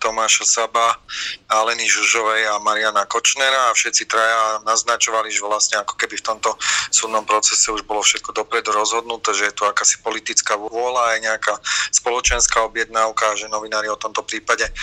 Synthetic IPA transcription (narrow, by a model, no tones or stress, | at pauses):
t̪ɔmaːʃasabaalɛniʒuʒɔʋɛjamaɾianakɔt͡ʃnɛɾaːfʃɛt̪t͡sit̪ɾajaːnaznat͡ʃɔʋaliʒʋlasɲɛakɔ̥kɛbift̪ɔmt̪ɔsuːd̪nɔmpɾɔt͡sɛsɛuʒbɔlɔfʃɛt̪̚kɔd̪ɔpɾɛd̪uɾɔzɦɔd̪nut̪ɛːʒɛjɛt̪uakaːsi̥pɔlit̪it͡skaʋʊʊɔlaːjɛɲɛakaspɔlɔt͡ʃɛnskaɔbjɛd̪̚naʊkaːʒɛnɔʋinaːɾiɔt̪ɔmt̪ɔpɾiːpaɟɛ